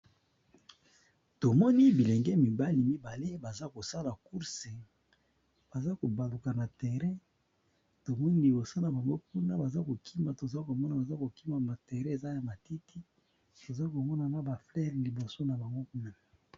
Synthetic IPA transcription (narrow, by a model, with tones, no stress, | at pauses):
to˨mɔ˦ni˦bi˨lɛ˨ŋɡɛ˦mi˨ba˦li˨mi˦ba˨le˦ba˨za˦ko˨sa˦la˨ku˦ʁse˨ | b̥a˨za˦ko˨ba˨lu˨ka˨na˨tɛ˨ʁɛ̃˦ | to˨mɔ˦ni˦li˨bo˨so˦na˨ba˨ŋɡo˦p̚u˦na˦ba˨za˦ko˨kʰi˦ma˨to˨za˦ko˨mɔ˦na˨ba˨za˦ko˨ki˦ma˨ma˨tɛ˨ʁɛ̃˦e˨za˦ja˨ma˨ti˦ti˦ | to˨za˦ko˨mɔ˦na˨na˦ba˨flɛ˦ʁli˨bo˨so˦na˨ba˨ŋɡo˦ku˦na˦